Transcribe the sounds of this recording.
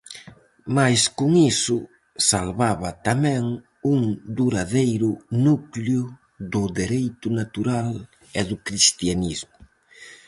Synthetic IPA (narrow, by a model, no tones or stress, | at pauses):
majskuŋisʊ | salβaβɐt̪amɛ̃ŋ | uŋd̪uɾaðejɾʊnukljʊ | ðʊðeɾejt̪ʊnat̪uɾal | eðʊkɾist̪janizmʊ